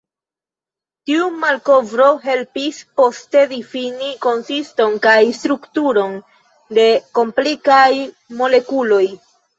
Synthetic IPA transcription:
tiumalko̞vɾo̞ɦe̞lpispo̞ste̞difiniko̞nsisto̞nkajstɾuktuɾo̞n | de̞ko̞mplikaj | mo̞le̞kulo̞j

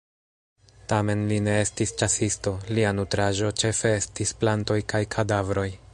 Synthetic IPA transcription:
tame̞nline̞e̞stist͡ʃasisto̞lianutɾaʒo̞t͡ʃe̞fe̞estisplanto̞jkajkʰadavɾo̞j

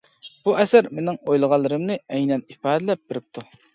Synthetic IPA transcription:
b̥uʔɛsæɾmenɪŋojlˠəʁɑlˠːɨɾɨmnɨɛjnɛnifɑːd̪ɪlɛp̚beɾɪp̚t̪ʰu

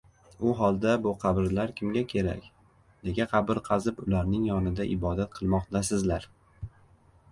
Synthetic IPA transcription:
ʊɦɒlˠd̪abʊqʰɑbɪɾlaɾkʲʰɪmɡʲakʲʰe̞ɾa̰kʲ | ne̞ɡʲaqʰɑbɪɾˠqʰɑzɪpʊlaɾnɪŋjɒnɪd̪aʔɪbɒd̪at̪̚qʰɨlˠmɒqt̪ʰasɪzlaɾ

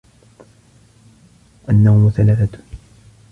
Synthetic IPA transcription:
ʔanːawmʊθalaːθat̪

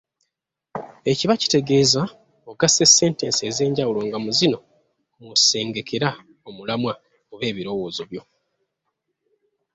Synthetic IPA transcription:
e̞ciβaci̥te̞ɡe̞ːza | oɡasese̞ːnteːnsieːze̞ːɲɟawulo̞ŋɡamuzino̞ | muse̞ːŋɡe̞kʰe̞ɾa | omulamwa | oβe̞ːβiɾo̞wo̞ːzo̞βjo̞

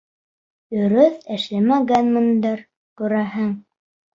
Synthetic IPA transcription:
ɵ̆ɾɵθɘ̆ʃlæmæɡænmɤ̆nd̪ɤɾ | kʉɾæɦɘŋ

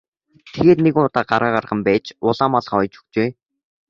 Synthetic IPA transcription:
t̪ʰeɣeːt̪neɣuʊt̪aːɢaɾaːɢarʁə̆mpæːt͡ɕʊɮaːmɔɮ̆χɔjt͡ɕɵ̥kt͡ɕeː

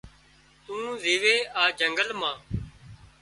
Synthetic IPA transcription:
t̪ũːziːʋeːaːd͡ʒəŋɡəlmãː

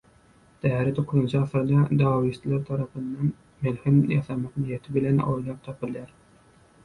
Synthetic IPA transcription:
d̪̥ɛɦæɾɪt̪ʰoqʰːʊzɨnt͡ʃʰɑfɨɾd̪ɑd̪ɑːwist̪ʰlˠæɾt̪ʰɑɾɑpʰɨnːɑn | melhɪnjɑsɑmɑqnijɛt̪ʰɪbɪlɛno̰jlˠɑp̚t̪ʰɑpʰɨlˠjæɾ

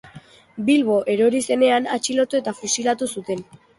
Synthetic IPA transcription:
bilβo̞ʔe̞ɾoɾise̞ne̞anat͡ʃilo̞t̪ue̞t̪afusilat̪usut̪e̞n

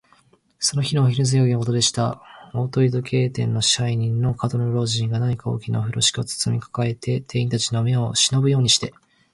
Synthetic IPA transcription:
so̞no̞çinoːçʲiɾɯzɨjoːɡʲinokot̪od̪e̞ɕi̥t̪ao̞ːt̪o̞id̪o̞kʰe̞ːt̪ẽ̞nːo̞ɕaiɲ̟ĩnːo̞kat̪oɾoɾo̞ːʑĩŋɡanaɲ̟ikao̞̰ːkʲina̰oɸɯ̟ɾoɕi̥kʲio̞t͡sɨ̥t͡sɨmʲikʰḁkae̞t̪ʰe̞t̪ʰe̞ːĩnt̪at͡ɕino̞me̞o̞ɕino̞bɯ̟jo̞ːɲ̟iɕi̥t̪e̞

